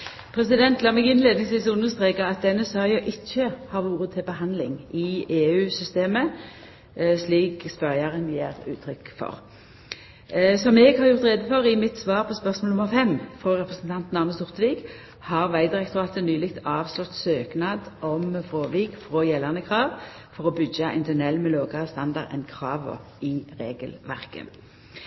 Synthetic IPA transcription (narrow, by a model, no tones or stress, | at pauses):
pʰʁɛsɪd̪ɛnt̪lɑːmɛɡɪnleːd̪nɪŋsʋiːsʉnːəʁst̪ʁeːkəʁɑt̪̚d̪ɛnːəsœʁɪɑʔɪçːəhɑːʋuːʁət̪ʰɪlbəɦɑnd̪lɪ̰ŋʔɪeːʉːsʏst̪eːmə | sliːkspœʁjɑʁənjeːʁʉ̰ːt̪ʰɾʏkfɔ̰ʁ | sɔmɛːɡhɑʁjʊʁt̪ʁeːd̪əfɔʁɪmɪt̪sʋɑːʁpʰɔspœʁsmoːlʊməʁfɛmːfʁoːʁɛpʁəsənt̪ʰɑnt̪nɑʁməst̪ʊʁt̪ʋɪɡ | hɑʁʋæɪd̪ɪʁɛkt̪ʊʁɑːt̪ənyːlɪkt̪ɑːʋslɔt̪søːknɑːd̪ʔɔmfʁoːʋiːkfʁoːjɛlːɑʁnəkʰʁɑːʋ | fɔʁɔbʏɡɑʔɪ̰nt̪ʰɛnɛlːmɛloːɡɑʁəst̪ɑnd̪ɑʁɛ̰nkʰʁɑːʋɔ̰ | iːʁeːɡəlʋæ̰ʁkə̰